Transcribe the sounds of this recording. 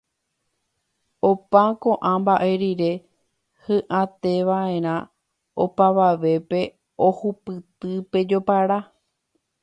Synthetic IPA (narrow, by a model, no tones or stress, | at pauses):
opãkõ̞ʔãmbaʔe̞ɾiɾe̞ | hɨ̃ʔãt̪e̞ʋaẽ̞ɾ̃ã | opaʋaʋe̞pe̞ | o̞hupɨt̪ɨpe̞d͡ʒo̞paɾa